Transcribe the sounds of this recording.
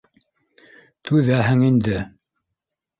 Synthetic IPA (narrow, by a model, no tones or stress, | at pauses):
t̪ʉðæɦɘŋind̪ɘ